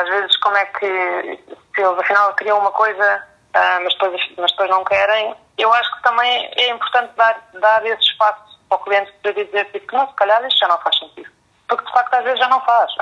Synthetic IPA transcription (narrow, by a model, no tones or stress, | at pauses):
aʒvezʃkomwɛkʰɨ | sɨelˠzɐfinalˠkɾiɐ̃w̃umɐkojzɐ | amɐʒd̪pojzɐfimɐʒd̪̚pojʒnɐ̃w̃kɛɾɐ̃j̃ | ewaʃu̥kt̪ɐ̃mɐ̃j̃ɛĩmpuɾt̪ɐ̃nt̪̚d̪aɾd̪aɾesʃpasu̥ɔklˠiẽnt̪k̪ɐd̪iɐðizeɾt̪ipknɐ̃w̃sɨ̥kɐʎaɾiʃt̪ʒanɐ̃w̃faʃsẽnt̪iðu | puɾk̚d̪ɨfak̚t̪uaʒvezʒanɐ̃w̃faʃ